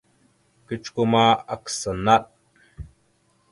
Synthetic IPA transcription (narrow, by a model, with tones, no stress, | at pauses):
kit͡ʃkuma˦ɐ˨ksa˨na˦t̪̚